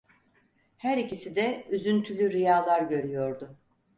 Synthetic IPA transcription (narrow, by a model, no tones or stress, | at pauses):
hæɾicisid̪ɛyzynt̪ʰylʲyɾijaːlˠaɾɟø̞ɾyjo̞ɾd̪ʊ